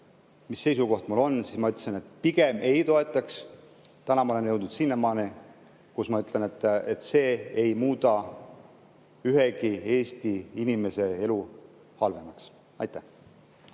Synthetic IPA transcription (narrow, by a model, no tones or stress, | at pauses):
misːe̞jsuko̞ht̪mulo̞nsismɑyt̪ːsene̞t̪ˑpiɡe̞me̞jt̪o̞e̞t̪ːˑɑks | t̪ænɑmɑole̞njɤ̞wd̪nud̪sinːemɑːni | kusmɑyt̪ˑlene̞t̪ːˑet̪ːse̞ːejmuːd̪ɑ | yɦekieːst̪iinime̞se̞e̞lu | hɑlve̞mɑks | ɑ̰jt̪ːæh